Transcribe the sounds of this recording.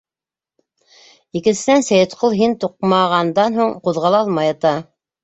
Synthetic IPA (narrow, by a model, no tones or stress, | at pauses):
ikɘ̆nsɘ̆nænsæjɘ̆t̪qʰolˠɦint̪uq̚mɑʁɑnd̪ɑnɦuɴquðʁɑlˠɑɑlˠmɑjɑt̪ɑ